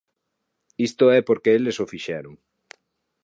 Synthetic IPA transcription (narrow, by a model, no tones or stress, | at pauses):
ist̪oɛpoɾkeelesofiʃɛɾʊŋ